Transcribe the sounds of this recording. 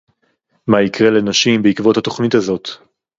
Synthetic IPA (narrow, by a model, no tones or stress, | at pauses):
maikʁe̞lenaʃimbeikvo̞that̪o̞χnitazo̞t̪